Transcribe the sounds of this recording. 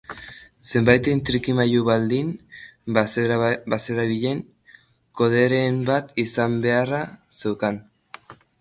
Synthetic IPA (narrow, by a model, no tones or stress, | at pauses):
se̞mbajt̪ent̪ɾikimajuβald̪in | base̞ɾaβiʎe̞ŋ | ko̞ðe̞ɾe̞mbat̪isambe̞arasewkan